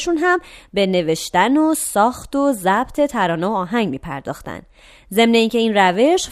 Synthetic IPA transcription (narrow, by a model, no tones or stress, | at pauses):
ʃunɦæmbe̞ne̞ve̞ʃt̪ænosɒːxt̪ʰozæbt̪ʰe̞t̪ʰæɾɒːneoɒːɦæŋɟmiːpʰæ̰ɾd̪ɒ̰ːxt̪æ̰n | ze̞mne̞iːŋcʰe̞iːnræve̞ʃ